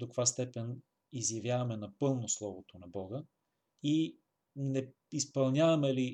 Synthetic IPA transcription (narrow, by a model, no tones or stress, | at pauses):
d̪okvast̪ɛpɛn | izjɐvʲjavɐmɛnɐpɤlˠnoslˠɔvot̪onɐbɔɡə | i | nɛ | ispɐlˠnʲjavɐmɛli